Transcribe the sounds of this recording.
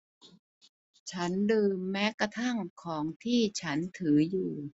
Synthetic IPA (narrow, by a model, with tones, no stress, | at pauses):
t͡ɕʰa˦˥ndɯː˧mːɛː˦˥ka˧t̪ʰa˥˩ŋkʰɔː˩˦ŋt̪ʰiː˥˩t͡ɕʰa˦˥nt̪ʰɯː˩˦juː˨˩